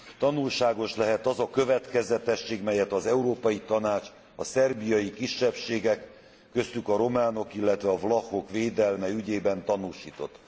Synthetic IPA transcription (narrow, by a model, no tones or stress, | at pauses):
t̪ɒnulʃaːɡo̞ʃlɛɦɛt̪ɒzɒkø̞vɛt̪kɛzɛt̪ɛʃːeːɡmɛjɛt̪ɒzɛuɾoːpɒjit̪ɒnaːt͡ʃ | ɒsɛrbijɒjikiʃːɛpʃeːɡɛkː | ø̞st̪ykɒɾo̞maːno̞kilːɛt̪ʋɛɒvlɒxo̞kʋeːd̪ɛlmɛyɟeːbɛnt̪ɒnuːʃiːt̪o̞t̪ː